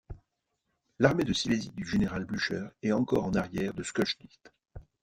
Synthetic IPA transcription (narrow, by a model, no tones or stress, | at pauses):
laʁmed̪əsilezid̪yʒeneʁalblyʃœːʁɛɑ̃kɔ̰ʁɑ̃naʁjɛʁd̪əskɔʃd̪it̪